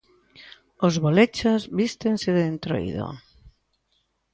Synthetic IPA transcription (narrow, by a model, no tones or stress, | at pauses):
ozβolet͡ʃazβist̪ensɪðeent̪ɾo̰jðo̰